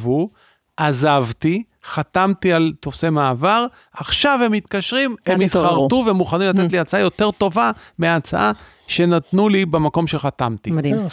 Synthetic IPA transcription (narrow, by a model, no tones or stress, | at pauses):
vu | azavt̪i | χat̪amt̪ialt̪o̞fsemaːvaʁ | aχʃavhe̞mit̪kaʃʁimemit̪χaʁtuveemuχanimlatetliat͡saajo̞t̪e̞ʁto̞vameat͡sa̰ʔa | ʃe̞nat̪nulibemako̞mʃeχat̪amt̪imd